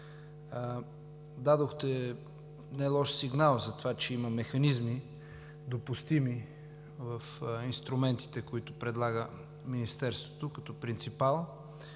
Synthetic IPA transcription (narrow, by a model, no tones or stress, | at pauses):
d̪ad̪oxt̪ɛ | najlˠɔʃsiɡnalˠzɐt̪ovat͡ʃɛiməmɛxɐnizmi | d̪opust̪imi | vəfinst̪ɾumɛnt̪i̥t̪ɛkoit̪ʊpɾɛd̪lˠaɡə | minist̪ɛɾst̪vot̪okɐt̪ɔpɾint̪sipalˠ